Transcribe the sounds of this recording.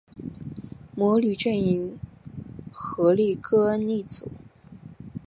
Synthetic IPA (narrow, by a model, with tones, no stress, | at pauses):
mwɔ˧˥ly˨˩ʈ͡ʂɥɛ˥˩ni˧˩ŋ | xɤ˧˥li˥˩kʰɤ˥nni˥˩t͡sṵ˨˩˦